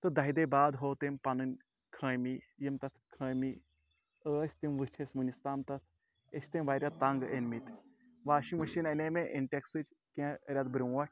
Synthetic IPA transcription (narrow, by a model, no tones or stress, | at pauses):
t̪ɨd̪ɐɦid̪eːbaːd̪ɦoːt̪empɐnɨnʲ | kʰəːmijimt̪ɐt̪ʰkʰəːmi | əːsʲt̪imʋɨt͡ʃʰesʲmɨnʲist̪aːmt̪ɐt̪ʰ | esʰʲt̪emʋaːɾʲjat̪ɐŋɡenmit̪ | ʋaːʃiŋmɐʃinɐnʲeːmeʔenʈeksɨt͡ʃʰ | kʲẽɾʲɐd̪bɾiwɐ